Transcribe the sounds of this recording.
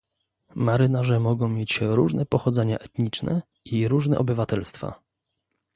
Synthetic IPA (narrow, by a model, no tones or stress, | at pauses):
maɾɘnaʐɛmɔɡɔ̃w̃mʲjet͡ɕɾuʐnɛpɔxɔd̪zɛɲa̰ʔɛt̪ɲit͡ʂnɛ̰ | iɾuʐnɛ̰ʔɔbɘvat̪ɛlst̪fa̰